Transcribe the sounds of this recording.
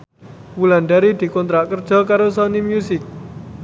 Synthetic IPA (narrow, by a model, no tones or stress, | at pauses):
wulanɖaɾid̪̥i̤kɔnt̪ɾaʔkərd̥ʒ̥ɔ̤kaɾosɔnimjusɪk̚